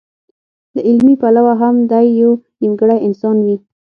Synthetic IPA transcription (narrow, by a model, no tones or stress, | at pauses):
d̪əʔɪlmipalawaɦamd̪ajːawnimɡəɽajɪnsɑnwi